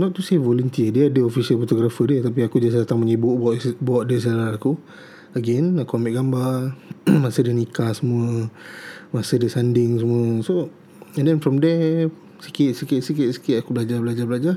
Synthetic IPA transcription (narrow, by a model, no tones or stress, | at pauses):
nɔt̪̚ːusevolunt̪iədəadəofisiəlfɔt̪oɡɾafədiət̪ap̬iakud͡ʒasdat̪aŋməɲibʊʔbɔʔbuaʔ̚dəs̬lalaaku | əɡɛnakuamiʔɡamba | masədənikasəmuə | masədəsandɪŋs̬əmuəso | ɛ̃ndɛnfɾɔmdɛ | si̥ket̪̚sikeʔ̚siket̪̚si̥kɪʔ̪akublad͡ʒabəlad͡ʒablad͡ʒa